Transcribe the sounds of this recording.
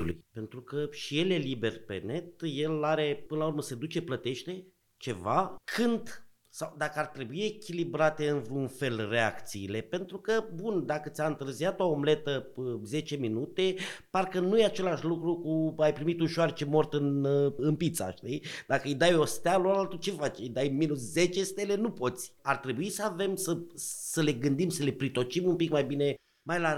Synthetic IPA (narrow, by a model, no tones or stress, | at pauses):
ulṵjpe̞nt̪ɾukəʃije̞le̞libe̞rpḛne̞t̪je̞laɾe̞pɨnəlaurməse̞d̪ut͡ʃe̞plət̪e̞ʃt̪e̞ | t͡ʃe̞vakʰɨnd̪ | sawd̪akəart̪ɾe̞buie̞kʲilibɾat̪e̞ɨnvunfe̞lre̞akt̪siːle̞pe̞nt̪ɾukəbund̪akət̪sʲaɨnt̪ɨrzijat̪oomle̞t̪əze̞t͡ʃe̞minut̪e̞parkənujeat͡ʃe̞laʃlukɾukuajpɾimit̪uʃoart͡ʃemo̞rt̪ɨnɨnpit̪sa̰ʃt̪ijd̪akəɨjd̪ajo̞st̪ealoɾalt̪ut͡ʃefat͡ʃid̪ajminusze̞t͡ʃest̪elenupo̞t̪sʲart̪ɾe̞buisəave̞msəsəle̞ɡɨnd̪imsəle̞pɾit̪o̞t͡ʃimumpikmajbine̞ | majla